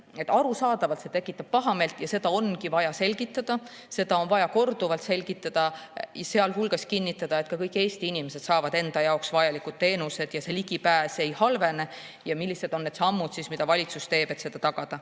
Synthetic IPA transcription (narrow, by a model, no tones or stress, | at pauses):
et̪ːˑɑɾusɑːd̪̥ɑvɑlt̪se̞t̪e̞kːˑit̪ːˑɑb̥̚pɑɦɑme̞lt̪ˑjɑse̞d̪ɑo̞nkivɑjɑse̞lʲɡ̥it̪ːˑɑd̪̥ɑ | se̞d̪̥ɑo̞nvɑjɑko̞rd̪̥uvɑlt̪se̞lɡ̥it̪ːˑɑd̪̥ɑjɑse̞ɑlɦulɡ̥ɑskinʲːit̪ːˑɑd̪̥ɑe̞t̪ˑkɑkɤjkːˑe̞ːst̪iinimese̞d̪sɑːvɑd̪̥e̞nd̪̥ɑjɑoksvɑjɑlikːˑud̥̪̚t̪e̞ːnuse̞d̪̥jɑse̞liɡ̥ipæːse̞jhɑlve̞ne̞ | jɑmilʲːise̞d̪o̞nːe̞d̪sɑmːud̪sismid̪̥ɑvɑlʲit̪sust̪e̞ːb̥e̞t̪se̞d̪̥ɑt̪ɑɡ̥ɑd̪̥ɑ